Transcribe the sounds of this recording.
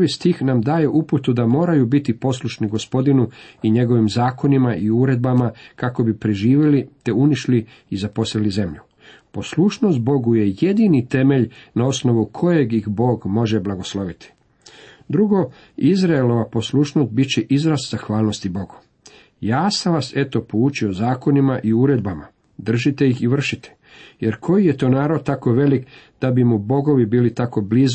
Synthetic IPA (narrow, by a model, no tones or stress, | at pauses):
ʋist̪iːxnamd̪aːjeʔuput̪ud̪amo̞ːɾajubit̪ipo̞sluʃniɡo̞spo̞d̪inuiɲe̞ɡo̞ʋimzaːko̞nimaʔiuːɾe̞d̪̚bamakako̞bipɾeʒiːʋjelit̪e̞uniʃli | izapo̞slilize̞mʎu | po̞sluʃno̞st̪̚bo̞ɡuje̞je̞d̪init̪e̞me̞ʎnao̞sno̞ʋukʰo̞jeɡjixbo̞ːɡmo̞ʒe̞blˠaɡo̞slˠo̞ʋit̪ʰi̥ | d̪ɾuɡo̞ | izɾaelo̞ʋapo̞slˠuʃnost̪̚bit͡ɕeʔizɾaszaxʋaːlˠno̞st̪ibo̞ɡu̥ | jaːsamʋase̞t̪o̞pout͡ʃio̞zaːko̞nimaʔiuːɾe̞d̪̚bama | d̪r̩ʒit̪e̞jixiʋr̩ʃit̪e̥ | je̞ɾkʰo̞jijet̪o̞ːnaːɾod̪̚t̪ako̞ʋe̞likd̪̥abimubo̞ɡo̞ʋibiːlit̪ako̞bliz